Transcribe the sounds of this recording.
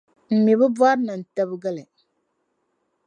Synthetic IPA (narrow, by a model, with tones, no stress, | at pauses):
m̩˨mi˨bɨ˦ba˦ɾna˨n̩˨ta˦bɨ˦ɡa˦la˨